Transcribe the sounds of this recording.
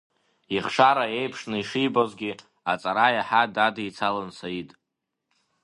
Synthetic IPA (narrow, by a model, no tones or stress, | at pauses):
iχʂaɾajejpʰʂnɨiʂijbozɡʲi | at͡sʼaɾajaħadadit͡sʰalɨnsʰaitʼ